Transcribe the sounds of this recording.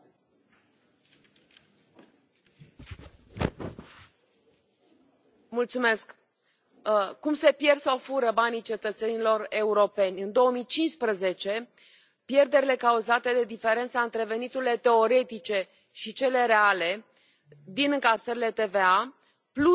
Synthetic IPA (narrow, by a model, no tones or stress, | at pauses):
mult̪sume̞sk | kumse̞pje̞rsofuɾəbanijt͡ʃe̞t̪ət̪se̞nilo̞re̞uɾo̞pe̞nʲɨnd̪o̞əmijt͡ʃinspɾəze̞t͡ʃe̞ | pje̞rd̪e̞ɾʲile̞kauzat̪e̞d̪e̞d̪ife̞ɾe̞nt̪saɨnt̪ɾe̞ve̞nit̪uɾile̞t̪e̞o̞ɾe̞t̪it͡ʃe̞ | ʃit͡ʃe̞le̞ɾe̞ale̞ | d̪inɨŋkasəɾile̞t̪e̞vea | plu